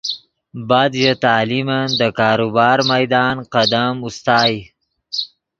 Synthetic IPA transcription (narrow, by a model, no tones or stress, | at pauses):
bad̪jət̪aːlimand̪əkɑːɾubɑːɾmajd̪ɑːnqad̪amust̪ɑːj